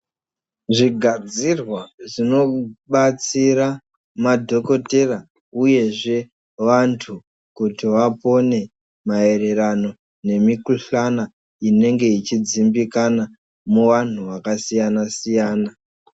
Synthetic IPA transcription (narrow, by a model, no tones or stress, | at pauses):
ʐiɡʱad͡zirwaʐino̞ɓat͡siɾa | madʱo̞ko̞tera | uje̞ʐe̞ | ʋantʰu | kutiʋapo̞ne̞ | mae̞ɾe̞ɾano̞ | ne̞mikuɬana | ine̞ŋɡe̞it͡ʃid͡zimbikana | muʋan̤uʋakasijanasijaːna